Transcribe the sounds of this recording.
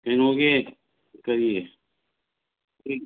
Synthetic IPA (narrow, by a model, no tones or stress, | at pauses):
ɪnɦoːɡeː | kəɾieː | iː